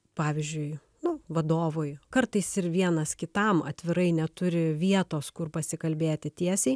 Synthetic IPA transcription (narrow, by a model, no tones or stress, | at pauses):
pɑːʋʲɪzʲd͡ʒʲʊɪ | nʊʋɐd̪oːʋoːjkɐɾt̪ɐɪsɪɾʋʲiɛnɐskʲɪt̪ɐmɐt̪ʲʋʲɪɾɐɪnʲɛt̪ʊɾʲɪʋʲiɛt̪oːskʊrpɐsʲɪkɐlʲbʲeːt̪ʲɪt̪ʲiɛsʲɛɪ